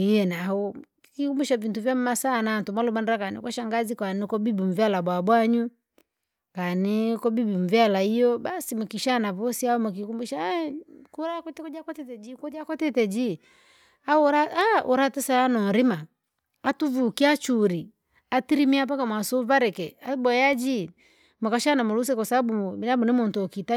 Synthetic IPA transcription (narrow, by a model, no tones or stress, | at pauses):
iɛnaɔ | kikumbuʃavintuvjam̩masanantumalumandɾakanḭkwaʃaŋɡazikanikɔbibim̩vjalabwabwaɲu | kanɛkɔbibim̩vjalaijɔbasimukiʃanavɔsiaɔmuk̬ikumbuʃa | kuɾakɔtɛkɔd͡ʒakɔtɛtɛd͡ʒikɔd͡ʒakɔtɛtɛd͡ʒi | auɾaaʔuɾatɛsaanɔɾima | atuvukiat͡ʃuɾi | atiɾimiap̬akamwasɔvaɾɛkɛabɔjad͡ʒi | mukaʃanamulus̬ɛkasababubinabunɛmɔntɔkita